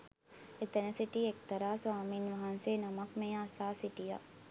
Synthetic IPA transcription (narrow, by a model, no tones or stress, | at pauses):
et̪ənəsiʈiekt̪ɐɾaːsʋaːminʋɐɦɐnseːnamɐkmeasaːsiʈija̰